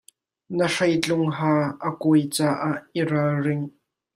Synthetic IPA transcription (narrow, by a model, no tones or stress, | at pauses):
nəʂɐjt͡ɬʊŋɦaːʔəkojt͡saːʔaʔːiɾalrɪŋ